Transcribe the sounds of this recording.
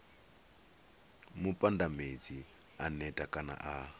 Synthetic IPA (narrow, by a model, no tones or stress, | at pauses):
mupʼandamed͡zianɛtʼakʼana̰ʔa